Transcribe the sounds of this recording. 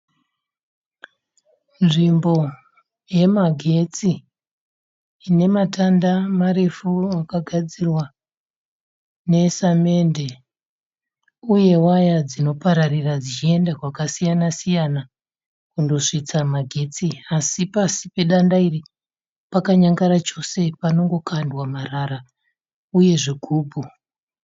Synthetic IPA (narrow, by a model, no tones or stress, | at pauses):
nʐimbo̞ | je̞maɡʱe̞t͡si | ine̞matandamaɾe̞fuakaɡʱad͡zirwa | ne̞same̞nde̞ | uje̞wajad͡zino̞paɾarirad͡zit͡ʃie̞ndakwakasijanasijana | kundo̞ʂit͡samaɡʱet͡siasipasipe̞ɗandairi | pakaɲaŋɡaɾat͡ʃo̞se̞pano̞ŋɡo̞kʰandwamaraɾa | uje̞ʐeɡʱuːbʱu